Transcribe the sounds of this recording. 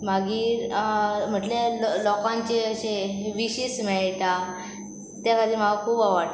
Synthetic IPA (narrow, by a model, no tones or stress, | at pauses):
maɡiːɾm̤əʈlelɔkãɲt͡ɕeəɕeʋiɕismɛɭʈa | t̪jakad̪ʱiːm̤aɡakʰuːbaʋa